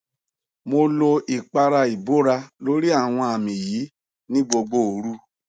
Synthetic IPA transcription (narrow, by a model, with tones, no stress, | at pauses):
mo˧lo˧i˨k͡pa˧ɾa˧i˨bo˦ɾa˧lo˨˦ɾi˦a˦˨w̃ɔ̃˧a˨mĩ˨jiː˨˦ | nĩ˦bo˧ɡ͡bo˦o˨˦ɾu˦